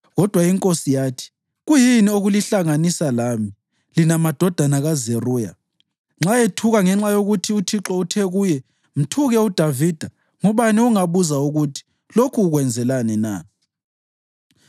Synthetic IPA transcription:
ɣɔd̥ʱwaiŋkʼosijaːtʰi̥ | ɣujinioɣuliɬaŋanisalami | linamad̥ʱɔd̥ʱanaɣazeruːja̰ | ŋ͡ǁaetʰuɣaŋɛŋ͡ǁajoɣutʰiutʰiǁɔutʰɛɣuːjɛ | m̩tʰuɣɛud̥ʱavid̥ʱa | ŋuβaniuŋaβuzauɣutʰi̥ | lokʰuːɣwɛnd͡zʱɛlanɛna̰ː

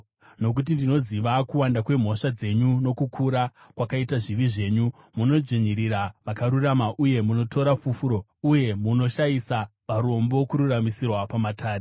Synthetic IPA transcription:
no̞kut̬indino̞ziʋakuwandakwe̞m̤o̞ʂad͡ze̞ɲuno̞kukʰuɾa | kwakaitaʐiʋiʐe̞ːɲu | muno̞d͡ʒiɲiɾiɾaʋakaɾuramaʔuje̞muno̞tʰo̞ɾafufuɾo̞ | uje̞muno̞ʃajisapaɾo̞mbo̞kuɾuramisirwapamatʰaːre

